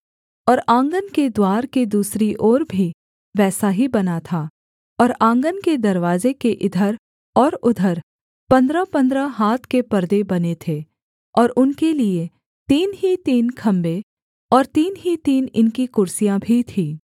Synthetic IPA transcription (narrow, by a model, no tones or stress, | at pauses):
ɔːɾãːŋɡənked̪waːɾked̪uːsɾiʔɔːɾbʱi | ʋɛːsaɦibɐnat̪ʰaː | ɔːɾãːŋɡənked̪ɐɾʋaːzekeʔɪd̪ʱəɾ | ɔːɾʊd̪ʱəɾ | pɐ̃nd̪ɾapɐ̃nd̪ɾaɦaːt̪ʰkepɐɾd̪ebɐnet̪ʰeː | ɔːɾʊnkelie | t̪iːnɦit̪iːnkʰɐ̃mbe | ɔːɾt̪iːnɦit̪iːnɪnkikʊɾsijãbʱit̪ʰiː